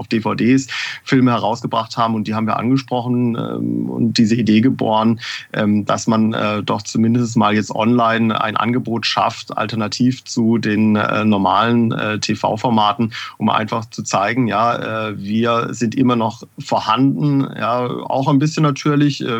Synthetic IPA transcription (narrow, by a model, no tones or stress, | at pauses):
ʊfd̥eːfaʊdeːsfɪlməhɛʁ̞aʊsɡ̥əbʁaχthaːbm̩ʊntd̥iːaːbm̩viːɐʔa̰nɡəʃpʁ̥ɔχn̩ɛ̰ʊ̰ntd̥iːzəideːɡəbo̰ːɐnʔɛːmd̥a̰smanɛ̰ːdɔχt͡sumɪndəstn̩smaːljɛt͡stʔɔ̰nlaɪna̰ɪnʔa̰nɡəboːtʃa̰fta̰ltɐnatʰiːft͡sudeːnɛ̰ːnɔɐmaːlənɛ̰ːtʰefa̰ʊfɔɐmaːtn̩ʔʊmʔa̰ɪnfaχt͡sut͡saɪɡŋ̩jaːʔɛ̰ːviːɐzɪntʔɪmɐnɔχ | foːɐhandn̩jaːa̰ʊxaɪnbɪsçənːatʰyːɐlɪçʔɛ